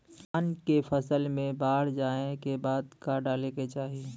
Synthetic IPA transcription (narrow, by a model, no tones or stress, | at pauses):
aːnkepʰəsəlmẽbaːɽ̤d͡ʒaːẽkebaːd̪kaɖaːleket͡ʃaːɦi